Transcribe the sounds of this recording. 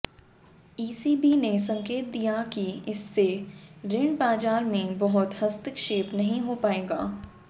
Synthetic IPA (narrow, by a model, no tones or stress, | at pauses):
iːsiːbines̬ɐ̃ŋkeːt̪̚d̪ijakiɪsːeɾɪɳɖbaːd͡ʒaːɾmẽbɐɦʊt̪hɐst̪ɪkʃeːpnɐɦĩɦopaːeːɡaː